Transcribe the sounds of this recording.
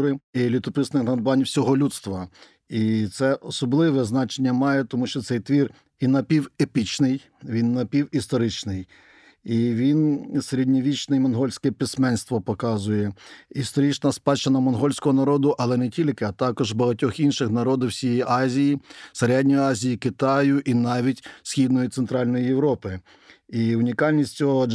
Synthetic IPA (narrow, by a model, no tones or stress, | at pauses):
ɾɪilʲut̪ɔpɪsnɪnɐd̪b̪ʊʋɑnʲwsʲɔɦɔlʲut̪st̪ʋɐ | it̪sɛʔɔsɔblˠɪʋɛznɑt͡ʃenʲːɐmɑjɛt̪ɔmuʃt͡ʃɔt̪sɛjt̪ʋʲir | inɐpʲiwepʲit͡ʃnɪj | ʋʲinːɐpʲiwist̪ɔɾɪt͡ʃnɪj | iʋʲinseɾʲedʲnʲiʋʲit͡ʃnɛimɔnɦɔlʲsʲkɛpʲismɛnst̪ʋɔpɔkɑzʊjɛist̪ɔɾʲit͡ʃnɐspɑt͡ʃɐnɐmɔnɦɔlʲsʲkɔɦɔnɐɾɔd̪ʊʔɐlˠɛnɛtʲilʲkɪɐt̪ɑkɔʒbɐɦɐtʲɔxinʃɪxnɐɾɔd̪ɪwsʲijɛjiʔɑzʲijisɐɾʲadʲnʲɔjɑzʲijikɪt̪ɑjʊʔinɑʋʲitʲsʲxʲid̪nɔjit̪sent̪ɾɑlʲnɔjijewɾɔpɪ | iʊnʲikɑlʲnʲisʲt͡sʲɔɦɔ